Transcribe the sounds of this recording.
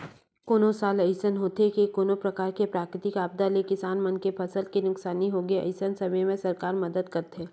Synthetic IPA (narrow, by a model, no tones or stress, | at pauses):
koːnõsaːlɐɪsənɦoːt̪ekikoːnõpɾɐkaːɾkepɾaːkɾɪt̪ɪkaːb̚d̪alekɪsaːnmɐnkepʰɐsəlkinʊksaːniɦoːɡeɐ̰ɪsənsɐməjmẽsɐɾkaːɾmɐd̪əd̪kɐɾt̪eː